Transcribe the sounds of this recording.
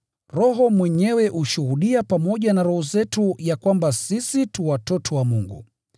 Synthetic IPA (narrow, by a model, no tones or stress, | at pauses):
ɾɔɦɔmwɛɲɛwɛʔuʃuhuɗiapamɔʄanaɾɔhɔzɛtujakwambasisituwatɔtʰɔwamuŋɡṵ